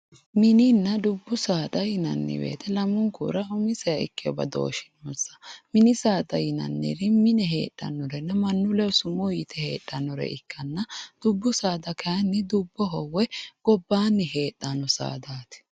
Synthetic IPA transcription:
mɪnɪnːɐd̪ʊbːʊsaːt̪ʼɐjɪnɐ̰nːɪ̰bḛːt̪ʰɛlɐmʊŋkṵːɾɐʊmɪsɛjɐɪkːɪɔbɐ̰d̪o̰ːʃɪ̥nɔsɐ̥mɪnɪsaːt̪ʼɐjɪnɐ̰nːɛ̰ɾɪmɪnɛɦḛːtʼːɐ̰nːɔɾɛnːɐmɐnːʊlɛɔsʊmɔjit̪ʰɛhe̞ːtʼːɐnɔɾɛ̰ɪkːɐnːɐd̪̥ʊbːʊsaːd̪ɐkʰɐɐnːɪd̪ʊbːɔɦɔwːɛɡ̥ɔbːaːnːɪɦeːtʼːanɔsa̰ːd̪aːt̪ɪ̥

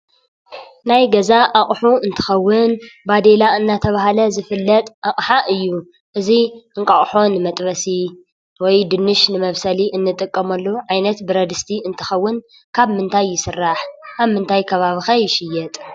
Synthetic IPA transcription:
najɡɐzaʔaχʼħuɨnt̪ʰɨ̥xɐwːɨnbad̪elaɨnːat̪ʰɐβaɦalɐzɨfɨlːɐt̪ʼʔakʼħaʔɨjːu | ʔɨziɨŋkʼɐχʼħo̞nɨmɐt̪ʼβɐsi | wɔjd̪ɨnːɨʃnɨmɐβsɐliʔɨnːɨt̪ʼɨkʼːɐmɐlːoʕajnɐt̪bɨɾɐd̪ɨst̪ʰiɨnt̪ʰɨ̥xɐwːʊn | kʰaβmɨnt̪ʰajːɪsɨrːaħkʰaβmɨnt̪ʰajkʰɐβaβixajɪʃɪjːɛt̪ʼ

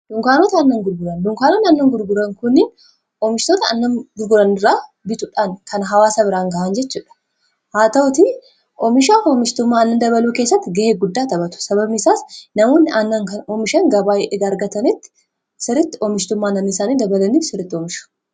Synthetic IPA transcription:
d̥̪ʊŋkaːnot̪ɐɐnːɐŋɡʊɾɡʊɾɐnd̪ʊŋkaːnonɐnːɐŋɡʊɾɡʊɾɐŋkʊnːɪn | ʔɔmɪʃt̪oːt̪ɐnːɐnɡʊɾɡʊɾɐnɪrːaː | bɪt̪ʊᶑaːnkɐnɦɐwaːsɐbɪɾaːŋɡɐʔɐnd͡ʒɛt͡ʃːuːᶑɐ̥ | haːt̪ɐʊt̪i | ʔɔmɪʃaːfɔmɪʃt̪ʊmːaːɐnːɐnd̪ɐβɐluːkeːsːɐt̪ːɪɡɐheːɡʊd̪ːaːt̪ɐbɐt̪ʊ̥sɐbɐbnɪsaːsnɐmoːnːɪʔɐnːɐŋkɐnɔmɪʃɐŋɡɐbaːjɛʔɛɡɐːɾɡɐt̪ɐnɪt̪ːɪ̥ | sɪɾɪt̪ːɪɔmɪʃt̪ʊmːaːnɐmisaːniːd̪ɐbɐlɐniːfsɪɾːɪt̪ːɪɔmɪʃʊ̥

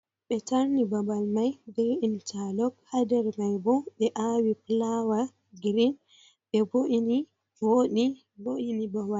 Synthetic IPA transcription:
ɓɛtaɾnibabalmajbɛint͡ʃalɔkhadɛɾmajbɔɓɛʔawiplawa | ɡɾin | ɓɛboʔini | woɗi | boʔinibabal

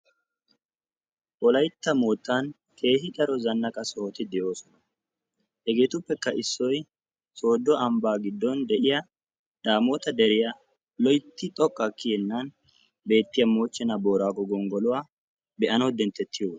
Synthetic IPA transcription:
ʔɔlɐjt̪ːɐmoːt̪ːan | kʰe̞ːhɪtʼɐɾɔzɐnːɐkʼɐsɔhot̪ɪd̪ɛjo̞ːsɔnɐ | hɛɡe̞ːt̪ʊpːɛkːɐʔɪsːɔj | so̞ːd̪ːɔʔɐmbaːɡɪd̪ːɔnd̪ɛʔɪjɐ | d̪aːmo̞ːt̪ɐd̪ɛɾɪjɐ | lɔjt̪ːɪt̪ʼɔkʼːɐkːɪhɛnːɐn | be̞ːt̪ːɪjɐmo̞ːt͡ʃːɛnɐbo̞ːɾaːɡɔɡɔŋɡɔlʊwaː | bɛʔɐnɔd̪ɛnt̪ːɛt̪ʰːɪjoː

